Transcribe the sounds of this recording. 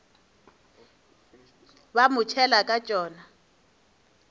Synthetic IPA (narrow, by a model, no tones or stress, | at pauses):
bamʊt͡ʃʰɛlakʼat͡ʃʼɔːna